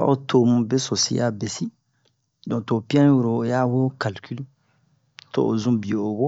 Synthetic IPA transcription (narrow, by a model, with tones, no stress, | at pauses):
a̰˦o˦tʰo˨mũ˨be˦so˨sḭ˨ja̰˦be˨si˦ | dɔ̃˨to˨pi˦ã˦wu˨ɾoː˨ja˦wo˦ka˨lkʰi˦lu˦ | to̰˦ʔo˨zũ˦bi˨o˨o˨bo˦